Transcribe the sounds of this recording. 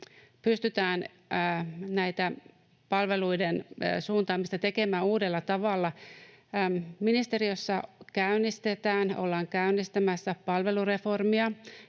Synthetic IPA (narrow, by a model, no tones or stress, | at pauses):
pyst̪yt̪æːn | næjt̪æ | pɑlʋe̞luidensuːnt̪ɑːmist̪ɑt̪e̞ke̞mæːuːdelːɑt̪ɑʋɑlːɑ | minist̪e̞ɾiosːɑkæynːist̪e̞t̪æːno̞̰lːɑːŋkæynːist̪æmæsːæpɑlʋe̞lure̞fo̞rmiɑ